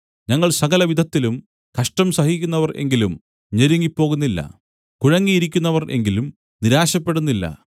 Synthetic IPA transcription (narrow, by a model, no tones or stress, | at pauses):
ɲɐŋːɐɭsɐɣɐlɐʋid̪ʱɐt̪ːilum | kɐʂʈɐmsɐhikʲːunːɐʋɐrʔe̞̰ŋɡilum | ɲeɾuŋːipːo̞ːɣunːilːɐ̰ | kuɻɐŋːijiɾikʲːunːɐʋɐrʔe̞̰ŋɡilum | niɾaːɕɐpːe̞ɽunːilːɐ̰